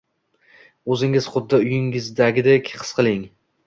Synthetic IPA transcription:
ɵzɪŋɪz̥χʊd̪ːɪʊjɪŋɪzd̪aɡʲɪd̪ekʲqʰɨ̥sqʰɨlˠɪŋ

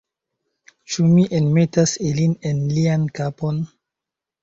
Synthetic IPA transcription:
t͡ʃumiʔenme̞tasiline̞nliankapo̞n

